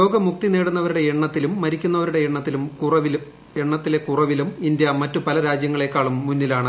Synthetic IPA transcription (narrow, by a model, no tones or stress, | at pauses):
lo̞ːɡɐmuk̚t̪ineːɽunːɐʋɐɾuɽe̞eɳːɐt̪ːilumːɐɾikʲːunːɐʋɐɾuɽe̞eɳːɐt̪ːilumkurɐʋil | eɳːɐt̪ːile̞kurɐʋilumind̪jɐmɐtːupɐlɐɾaːd͡ʑjɐŋːɐɭe̞kːaːɭumːunːilaːɳɨ